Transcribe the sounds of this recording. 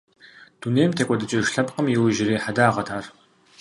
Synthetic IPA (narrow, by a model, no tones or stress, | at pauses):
d̥uneːjmtʰeːkʷʼɔdɨt͡ʃʼɐʒɬɐpʼqəmjɪwʒɪɾiːħadaːʁɐtʰaːr